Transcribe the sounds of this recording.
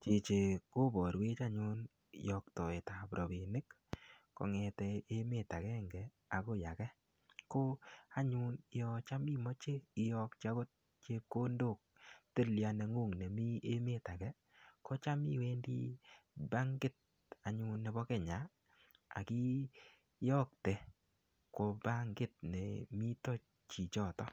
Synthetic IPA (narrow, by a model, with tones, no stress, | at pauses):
t͡ʃi˨t͡ʃe˨ko˦bɔ˨ɾwe˦t͡ʃa˦ɲu˦n | jɔ˧k̚tɔ˨e˨ta˨pɾʔɔ˨be˨nɪ˦k | kɔ̰˨ŋɛ˨tɛ˧e˦me˦˨ta˨kɛ˦ŋɡɛ˨ | a˨ko˦ja̰˨kɛ˦ | ko˦a˦ɲu˦nɪ˦jɔt͡ʃa˦mi˦mɔ˦t͡ʃe˦ɪ˦jɔ˧k̚t͡ʃa˦ko˦t̚ | t͡ʃe˧kːo˦ndo˦˨k̚te˦˨lja˨nɛ˨ŋu˦˨ŋnɛ˨mi˦e˦me˦˨ta˨kɛ˦ | kɔ˦t͡ʃa˦mḭ˦we˦ndḭ˦ba˦ŋɡɪ˦t̚ | a˨ɲu˦nːɛ˨bɔ˦kɛ˦˨ɲa˨ | a̰˨ki˦ | jɔ˦k̚tɛ˨ | ko˨ba˦ŋɡɪ˦t̚nɛ̰˨mi˦tɔ˦ | t͡ʃi˨t͡ʃɔ˦˨tɔ˦